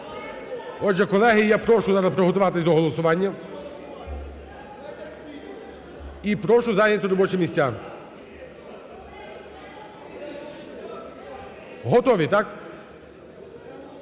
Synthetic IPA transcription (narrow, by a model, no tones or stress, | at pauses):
ɔdʒɛkɔlˠɛɦɪjapɾɔʃʊzɑɾɐspɾɔɦɔt̪ʊʋɑt̪ɪsʲd̪ɔɦɔlˠɔsʊʋɑnʲːɐ | ipɾɔʃʊzɑjnʲɐt̪ʊɾɔbɔt͡ʃɛmʲisʲtʲːa | ɦɔt̪ɔʋʲit̪ɑk